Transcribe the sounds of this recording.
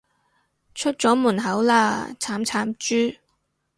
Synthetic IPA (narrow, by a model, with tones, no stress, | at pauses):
t͡ʃʰɵ˥t̚t͡sɔː˨˥muː˨˩nɦɐ˨˥wlaː˧t͡sʰaː˨˥mt͡sʰaː˨˥mt͡ʃyː˥